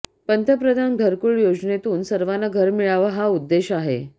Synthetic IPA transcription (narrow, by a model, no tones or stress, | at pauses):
pənt̪əpɾəd̪ʱanɡʱəɾkuɭjod͡ʑnet̪uːnsəɾʋanaɡʱəɾmiɭaʋəɦaud̪ːeɕaɦḛ